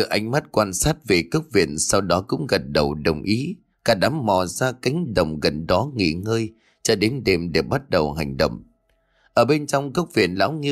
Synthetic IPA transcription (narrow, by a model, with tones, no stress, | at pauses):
ɨ̰˧˨ʔa˨˧jŋ̟ma˦˥t̚kwaː˧nsaː˦˥t̚ve˨˩kə˦˥wk͡p̚vḭ˧˨ənsa˧wɗɔ˨˦kʊ̰˧˥ŋ͡mɣə˨˩t̚ɗə˨˩wɗə˨˩wŋ͡mʔi˨˦ | kaː˧˩ɗa˨˦mːɔ˨˩zaː˧ki˨˦ŋ̟ɗə̰˨˩wŋ͡mɣə˨˩nɗɔ˨˦ŋḭ˧˨ŋəː˧j | t͡ɕɔ˧ɗe˨˦nɗe˨˩mɗe˧˨˩ɓa˦˥t̚ɗə˨˩wɦa˨˩jŋ̟ɗə̰˧˨wŋ͡m | ʔəː˧˩ɓe˧nt͡ɕɔ˧wŋ͡mkə˦˥wk͡p̚vḭ˧˨ənla̰ː˧˥wŋɨ˧